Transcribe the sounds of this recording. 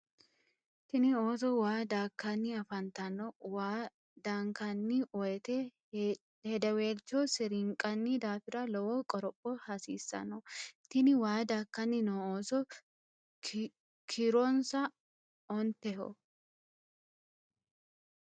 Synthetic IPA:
t̪ɪnɪoːs̬ɔwaːd̪aːkːɐnːɪɐfɐnt̪ɐnːɔwaː | d̪aŋkɐnːɪɔjɛt̪ɛ | hɛd̪ɐweːlt͡ʃːɔsɛɾɪŋkʼːɐnːɪd̪aːfɪɾɐlɔwɔkʼɔɾɔpʼːɔhɐsḭːsːɐ̰nɔt̪ɪnɪwaːd̪aːkːɐnːɪnɔoːsɔ | kʰɪɾɔnsɐ | ɔnt̪ːɛɦɔ̰

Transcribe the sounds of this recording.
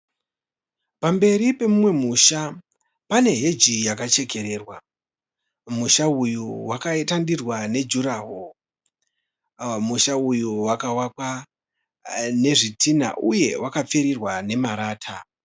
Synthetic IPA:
pambe̞ɾipe̞mumwe̞muʃa | pane̞ɦe̞d͡ʒijakat͡ʃe̞ke̞ɾe̞ːrwa | muʃaujuwakaetandirwane̞d͡ʒuɾaɦo | muʃaujuwakawakwa | ne̞ʐitʰina̰ʔuje̞wʔakap͡feɾirwane̞maɾaːtʰa

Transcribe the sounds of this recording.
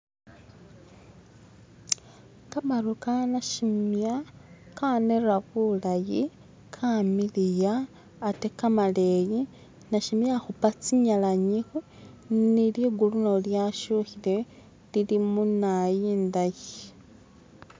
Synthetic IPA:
kamalukanaʃimja | kaneɾaβulaji | kʰamilijaː | tekamaleji | naʃimjaxupat͡siɲalaɲixu | niliɡulunoljaʃuxile | lilimunajiːndaji

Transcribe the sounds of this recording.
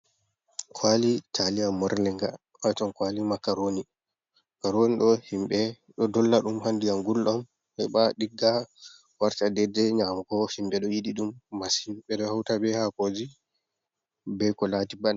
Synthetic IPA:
kʰwalitʰaliamːɔɾlɛŋɡa | ʔatɔnkwalimakaɾoni | kaɾoniɗɔhimɓɛ | ɗɔdɔlːaɗumhandijaŋɡulːam | hɛɓaɗiɡːa | waɾtadɛdɛɲamkɔhimbɛɗɔjiɗiɗumːashimɓɛɗɔhawtabɛhakod͡ʒi | bɛkɔlatiban

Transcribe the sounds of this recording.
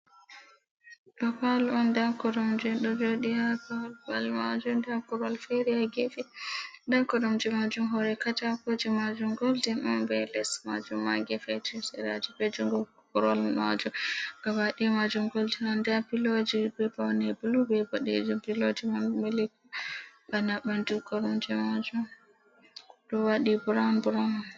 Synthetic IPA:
ɗɔpaluandankɔɾɔmd͡ʒuɗɔd͡ʒoɗihakalbalmad͡ʒumdɛakɔɾalfɛɾiaɡɛfɛdankɔdɔmd͡ʒɛmad͡ʒumɦɔɾɛkatakod͡ʒimad͡ʒumɡoldinambɛlɛsma̰d͡ʒumːaɡɛfɛtisɛɾad͡ʒibɛd͡ʒuŋɡɔ | kɔɾɔlma̰d͡ʒuɡ̥awaɗimad͡ʒumɡoldinandɛapilod͡ʒibɛbawnɛbulubɛbɔɗɛ̰d͡ʒumpilod͡ʒimanmɛlikubanaɓandukɔɾɔmd͡ʒɛmad͡ʒum | ɗɔwaɗibuɾanbɾan

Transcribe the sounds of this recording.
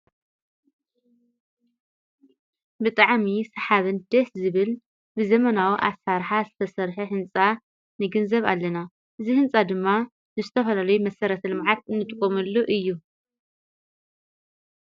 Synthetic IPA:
bɨt̪ʼaʕmisɐħaβɨnd̪̥ɐszɨβɨl | bɨzɐmɐnawiʔasaɾħazɨt̪ʰɐsɐɾħɐħɨnt͡sʼa | nɨɡɨnzɐβa̰lːɐna | ʔɨzihɨnt͡sʼad̪ɨmːa | zɨzɨt̪ʰɐfɐlalɐjumɐsɐɾɐt̪ʰɐlɨmʕat̪ɨnːɨt̪ʼɨkʼːomɐlːuʔɨjːu

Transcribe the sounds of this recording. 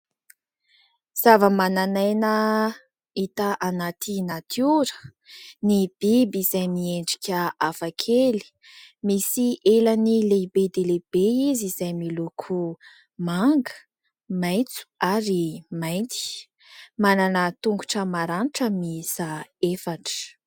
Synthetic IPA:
z̥avəmananajnə | it̪aʔanat̪ʰinat̪ʰuɾə̥ | nib̥ibiz̥ajmieɳɖ͡ʐi̥kʲəafakʰeli̥ | misiʔelənilebed̪eleb̥eizizajmilukʰu | maŋɡə̥ | majt͡su̥aɾimajnt̪i̥ | mananət̪uŋɡuʈ͡ʂəmaɾaniʈ͡ʂəmisaefaʈ͡ʂə̥

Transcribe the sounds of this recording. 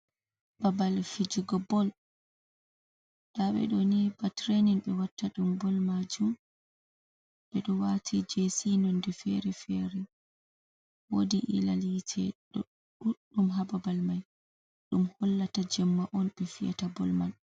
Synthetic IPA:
babalfid͡ʒiɡɔbɔl | ɗ̥aɓɛ̰ɗɔnibatɾeninɓɛwatːaɗumbɔlmad͡ʒum | ɓɛɗɔwatʰid͡ʒesinɔndɛfɛɾɛfɛɾɛ | wodiʔḭlalitʰɛ̰ɗ | uɗumɦababalmaj | ɗumhɔlːatad͡ʒɛmːaʔɔnɓɛfija̰tabɔlman

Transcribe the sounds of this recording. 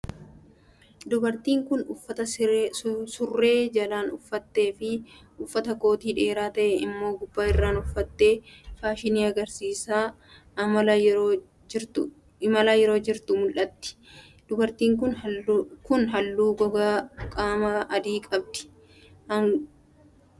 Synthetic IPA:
d̪ʊbɐɾt̪iːŋkʊnʊfːɐt̪ɐ | sʊrːe̞ːd͡ʒɐlaːnʊfːɐt̪ːe̞ːfɪ | ʊfːɐt̪ɐko̞ːt̪iːᶑe̞ːɾaːt̪ɐʔɛɪmːo̞ːɡʊbːaːɪrːaːnʊfːɐt̪ːe̞ːfaːʃɪniːɐɡɐɾsiːsaː | mɐljoː | ɪɾt̪ʊ | mɐlaːjɛɾo̞ːd͡ʒɪɾt̪ʊmʊlʔɐt̪ːɪ̥ | d̪̥ʊbɐɾt̪iːŋkʊnkʊnɦɐlːuːɡɔɡaːkʼaːmɐɐd̪iːkʼɐb̚d̪ɪ̥ | hɐŋ

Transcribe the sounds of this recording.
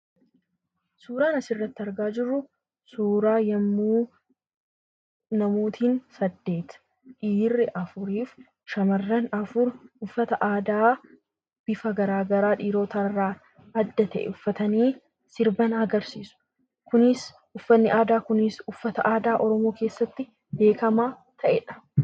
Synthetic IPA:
suːɾaːnɐsɪrːɐt̪ːɪɐɾɡaːd͡ʒɪrːʊ | suːɾaːjɐmːuː | nɐmuːt̪ʰiːnsɐd̪ːe̞ːt̪ | ᶑiːrːɪʔɐfʊɾiːf | ʃɐmɐrːɐnɐfʊɾʊfːɐt̪ɐʔaːd̪aː | b̥ɪfɐɡɐɾaːɡɐɾaːᶑiːɾo̞ːt̪ɐrːaː | ɐd̪ːɐt̪ɐʔɛ̰ʊfːɐt̪ɐniː | sɪɾbɐnɐɡɐɾsiːsʊ̥ | kʊnɪs | ʊfːɐnːɪʔaːd̪aːkʊnɪsʊfːɐt̪ɐʔaːd̪aːʔɔɾɔmo̞ːke̞ːsːɐt̪ːɪ | b̪e̞ːkɐmaː | t̪ʰɐʔɛᶑɐ̥

